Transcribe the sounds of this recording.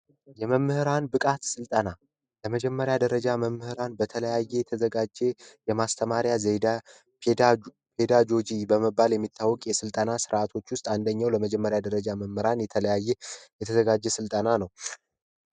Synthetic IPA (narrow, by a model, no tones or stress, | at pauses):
jɛməmːɨhɨɾanbɨkʼat̪sɨlt̪ʼəna | ləməd͡ʒɛmːəɾjad̪əɾəd͡ʒaməmːɨhɨɾanbət̪ʰələjajːɛjɛt̪ʰəzəɡad͡ʒejɛmast̪ʰəmaɾjazed̪a | pʰed̪aɡo̞d͡ʒibəməbːaljɛmːit̪ʰːawːɔkʼjɛsɨlt̪ʼənasɨɾʔat̪ʰo̞t͡ʃːwʊst̪ʼand̪əɲːawləməd͡ʒɛmːəɾjad̪əɾəd͡ʒaməmːɨɾanjɛt̪ʰələjajːɛjɛt̪ʰəzəɡad͡ʒːɛsɨlt̪ʼənanəw